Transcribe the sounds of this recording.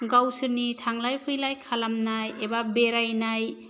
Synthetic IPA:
ɡawsɯɾnitʰaŋlajpʰɯjlajkʰalamnajebabeɾajnaj

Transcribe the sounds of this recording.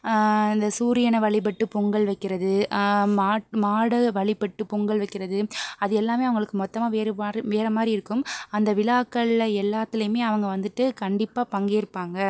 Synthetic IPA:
ɪnd̪ɐsuːɾɪjɐnɐʋɐɭɪp̬ɐʈːɯpɔŋɡɐɭʋɐɪkːɪɾɐðɯmaːʈmaːɽɐʋɐɭɪpːɐʈːɯpɔŋɡɐɭʋɐɪkːɪɾɐðɯɐðɯɛlːaːmeːɐʋɐŋɡɐɭɯkːɯmɔt̪ːɐmaːʋeːɾʋeːɾɐmaːd̪ɾiɪɾɯkːɯmɐnd̪ɐʋɪlaːkːɐɭlɐɛlːaːt̪ːɪlɐjɯmeːɐʋɐŋɡɐʋɐnd̪ɯʈːɯkɐɳɖɪpːaːpɐŋɡeɪɾɯpːaːŋɡɐ

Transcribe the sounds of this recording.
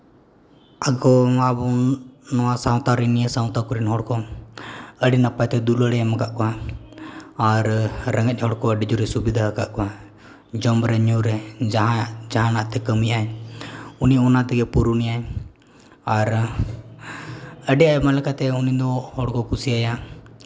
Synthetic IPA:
aɡɔabɔnɔwasaw̃t̪aɾɛnijəsaw̃t̪akɔɾinɦɔɽkɔ | əɖinapajt̪ɛd̪uləɽɛjamaɡaʔkɔa | aɾɾəŋəc̚ˀhɔɽkɔəɖid͡ʒuɾɛsubid̪ʱaəkaʔkɔa | d͡ʒɔmbɾɛɲuɾɛd͡ʒaɦad͡ʒaɦãnaʔt̪ɛkəmijaj | uniɔnat̪ɛɡɛpuɾunijaj | aɾ | əɖɛjajmalɛkat̪ɛunid̪ɔhɔɽkɔkusiaja

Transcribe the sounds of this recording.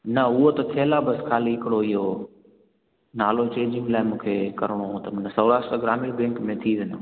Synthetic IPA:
nɐʊɦot̪ɐt̪ʰeːlabɐskʰaːliɦɪkɪɽoɪɦo | naːlot͡ɕẽːd͡ʑɪ̃ŋɡlaːɪmũːkʰekɐɾɪɽ̃õt̪ɐmɐnsɐʊɾaːsʈəɡɾaːmiɽbɛ̃ːŋkmẽt̪ʰiʋeɲo̰ː

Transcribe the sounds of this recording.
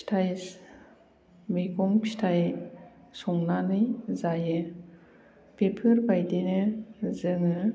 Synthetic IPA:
stʰajs | mekɔŋpʰi̥stʰaj | sɔŋnanɯjzajɯ | pepʰɯɾbajdenɯzɯŋɯ

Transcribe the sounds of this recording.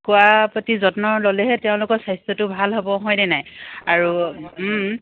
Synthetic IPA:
kʊwapɹotizɔtnɔɹlolɛɦɛteʊ̃lʊkɔɹsajstɹɔtʊbʱalɦobɔɦɔjnɛnajaɹu

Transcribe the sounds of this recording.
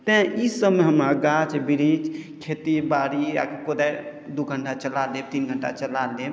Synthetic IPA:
t̪ẽisəbmeɦəmaɡat͡ʃbiɾid͡ʒkʰet̪ibaɾija̰kkod̪ajd̪uɡʱəɳʈat͡ʃəlalet̪inɡʱəɳʈa̰t͡ʃəlale

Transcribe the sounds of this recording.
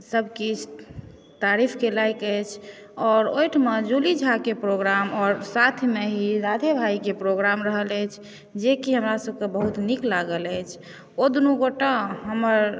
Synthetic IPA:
səbʱki | t̪aɾipʰkelajkəjt͡ʃʰ | ɔːɾojʈʰmed͡ʒulid͡ʒʱakepɾoɡɾamɔːɾsat̪ʰmeɦiɾad̪ʱebʱajkepɾoɡɾamɾəɦələjt͡ʃʰ | d͡ʒekiɦəmɾasəb̚ʱkebəɦut̪niklaɡələjt͡ʃʰ | od̪unuɡoʈaɦəməɾ

